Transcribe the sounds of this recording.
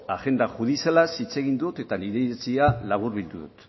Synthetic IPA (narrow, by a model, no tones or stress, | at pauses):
aʝe̞nd̪aɣuðiselasit͡se̞ɣ̞ind̪ut̪e̞t̪aniɾesialaβ̞uɾβild̪uðṵt̪